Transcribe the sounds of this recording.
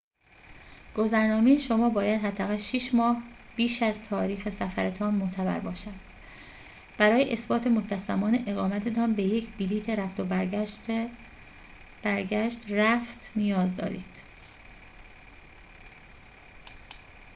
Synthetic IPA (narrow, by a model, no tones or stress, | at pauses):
ɡ̥o̞zæɾnɒːmejeʃo̞mɒːbɒːjæd̪hæd̪ːæɣælʃiʃmɒːhb̥iːʃæzt̪ʰɒːɾiːxesæfæɾet̪ʰɒːnmot̪ʰæbæ̰ɾbɒːʃænd̪̥ | b̥æɾɒːjeʔesbɒːt̪ʰe̞mot̪ʰːæsæmɒːne̞ʔeɣɒːmæt̪ʰe̞t̪ʰɒːnbeje̞cʰbiliːt̪ʰeɾæft̪o̞b | b̥æɾɟæʃt̪ræft̪ʰnijɒːzd̪ɒ̰ːɾḭːd̪̥